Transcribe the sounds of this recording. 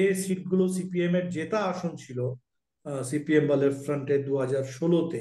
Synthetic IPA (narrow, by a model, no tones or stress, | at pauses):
esiʈ̚ɡulos̬ipiemeɾd͡ʑet̪aaʃont͡ɕʰilo | sipiembaleɾfɾəɳʈed̪uɦad͡ʑaɾʃolot̪e